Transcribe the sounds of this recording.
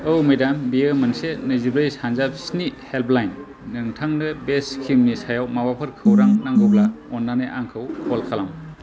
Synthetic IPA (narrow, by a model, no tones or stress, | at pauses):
ɯwmedambiemɯnsenɯzibɾejsanzap̚snit̚helpʰlajnː | ɯŋtʰaŋdɯbeskʰimnisajawmawapʰɯɾkʰɯwɾaŋnaŋɡɯblaɔnːaneʔaŋkʰɯwkʰɔlkʰalam